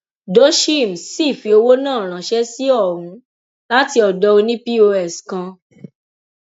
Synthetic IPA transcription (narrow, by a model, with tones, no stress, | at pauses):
do˨˦ʃi˦˨m̩˨si˦˨fi˨˧o˧wo˦nãː˦˨ɾ̃ã˨ʃɛ˦si˦ɔ˦˨ɾ̃ũ˨˦ | la˦ti˧ɔ˨dɔ˧˦o˧nĩ˦pi˦o˧ɛ˨skã˧